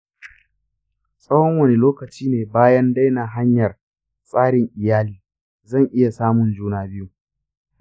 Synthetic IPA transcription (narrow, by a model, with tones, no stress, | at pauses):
sʼɐ˦wɔ˦ŋwɐ˦˨ne˨loː˦kɐ˨t͡ʃiː˦neː˨baː˦jɐ˦nda˦jnaː˨ɦa˦ɲjɐ˨r | sʼaː˦ɽɪ˨ŋʔɪ˨jaː˦liː˦ | zɐ˦˨ŋʔɪ˦ja˨saː˦mʊ˨nd͡ʒuː˦naː˦bɪ˦ju˦